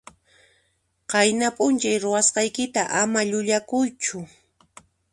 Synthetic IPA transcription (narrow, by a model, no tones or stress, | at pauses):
qɑjnapʼʊnt͡ʃajɾʊwasqɑjkɪt̪aʔamaʎʊʎakʊjt͡ʃʊ